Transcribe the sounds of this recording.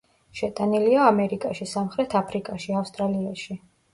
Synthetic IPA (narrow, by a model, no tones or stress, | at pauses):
ʃɛt̪ʼaniliaːmɛɾikʼaʃisamχɾɛt̪ʰapʰɾikʼaʃiafst̪ʼɾaliaʃi